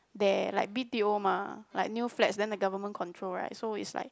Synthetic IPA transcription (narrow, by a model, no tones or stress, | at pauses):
dɛlaɪk̚bitiomala̰ɪk̚njuflɛtsdɛ̃ndəɡavəmə̃nkʰɔ̃ntʰɹolɹa̰ɪt̚soḭtsla̰ɪk̚